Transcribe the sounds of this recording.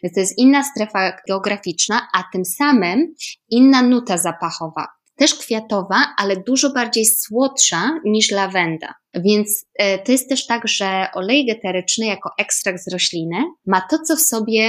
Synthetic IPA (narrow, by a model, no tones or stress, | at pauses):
t̪ɔjɛst̪inːast̪ɾɛfaɡɛɔɡɾafʲit͡ʂnaʔat̪ɘmsamɘminːanut̪azapaxɔva̰ | t̪ɛʂkfʲjat̪ɔvaʔalɛd̪uʐɔbaɾd͡ʑejswɔt̪ʂaɲiʂlavɛnd̪a̰ | vʲjɛnt̪st̪ɔjɛst̪ːɛʂt̪aɡʐɛʔɔlɛjɡɛt̪ɛɾɘt͡ʂnɛjakɔʔɛkst̪ɾaɡ̪zɾɔɕlʲinɘmat̪ɔt̪sɔfsɔbʲjɛ